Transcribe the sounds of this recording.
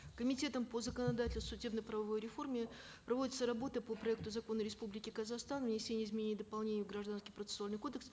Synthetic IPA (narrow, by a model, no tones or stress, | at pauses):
kəmʲɪtʲe̞t̪əmpəzəkənɐd̪atʲɪlʲssʊdʲe̞bnəjpɾəvɐvo̞jɾʲɪfo̞rmʲɪ | pɾɐvo̞dʲɪt̪səɾɐbo̞t̪əpopɾɐɛk̚t̪ʊzɐko̞nːəɾʲɪspublʲɪkʲɪkəzɐxst̪anvnʲɪsʲenʲɪəɪzmʲɪnʲenʲɪd̪əpɐlˠnʲenʲɪjʊɡɾɐʐd̪anskʲɪjpɾət̪sɨ̥sʊalnɪjko̞d̪əks